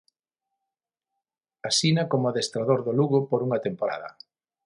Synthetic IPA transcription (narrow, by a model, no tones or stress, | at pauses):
asinakomoaðest̪ɾaðoɾðoluɣʊpoɾuŋɐt̪empoɾa̰ðɐ̰